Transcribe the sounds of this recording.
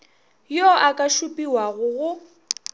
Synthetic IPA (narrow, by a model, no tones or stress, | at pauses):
jɔʔakʼaʃupʼiwaɣʊɣʊ